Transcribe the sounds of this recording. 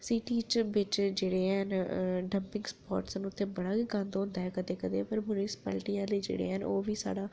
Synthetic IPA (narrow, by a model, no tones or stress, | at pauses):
siːʈiːt͡ʃʋɪt͡ʃd͡ʒeːɽeːɦənɖə̃mpɪ̃ŋɡspɔ̰ːɾʈsənʊt̪ʰːeːbəɽaːkiːkãːnd̪ɦõːnd̪aːɦɛːkəd̪eːkəd̪eːpəɾmjuniːsɪ̥pɛːlʈiːãːləiːd͡ʒḛːɽḛːɦənoːʋiːsa̰ːɽaː